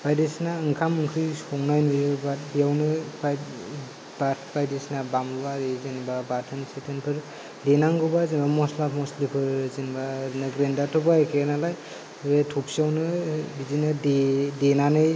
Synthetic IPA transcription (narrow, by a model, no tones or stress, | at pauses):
b̥ajdesnaɯŋkʰamɯŋkʰɯjsɔŋnajnɯbabijawnɯbaj | babajdesnabamuwaɾezenbabatʰɯnsetʰɯnpʰɯɾ | denaŋɡɯbazinbamɔslapʰmɔslipʰɯɾzinbaɾnɯɡɾendatʰɔbakʰenalaj | ɾetʰupsiawnɯbizinɯdedenanɯj